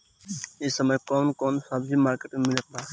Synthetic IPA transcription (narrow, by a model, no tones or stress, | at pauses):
esəməjkɔnkɔnsabd͡ʒimaɾkeʈemilɛk̚ba